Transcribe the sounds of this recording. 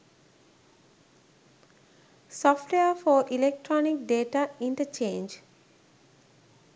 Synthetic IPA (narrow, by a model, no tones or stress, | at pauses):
sɔfʈweəfɔːɾʔilek̚ʈɾɔnik̚ɖeːʈaĩɳʈət͡ʃẽːnd͡ʒ